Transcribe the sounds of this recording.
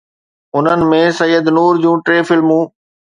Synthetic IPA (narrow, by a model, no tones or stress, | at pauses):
ʊn̤ənɪ̆mẽːsɐjːəd̪nuːɾd͡ʑũːʈɾeːfɪlmũː